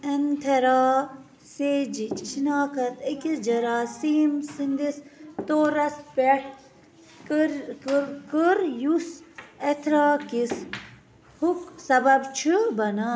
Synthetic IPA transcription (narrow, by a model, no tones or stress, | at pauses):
ɐnt̪ʰɐɾaː | seːd͡ʒit͡ʃʰinaːkɐt̪ɐkisd͡ʒɐɾaːsiːmsind̪ist̪oːɾɐspeʈ | kɾkkɨɾjusɐt̪ʰɾaːkis | huksɐbɐbt͡ʃʰɨbɐnaː